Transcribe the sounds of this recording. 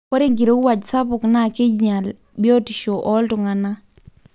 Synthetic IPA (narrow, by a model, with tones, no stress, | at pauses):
kɔ˦ɾe˦ŋɡi˨ɾo˨˦wa˨d͡ʒsa˦pʊ˨kna˦˨kɪ˦d͡ʒɲa˨l | bɪ˦ɔ˦ti˨ʃo˨ʔɔ˦ltʊ˨ŋa˨na˦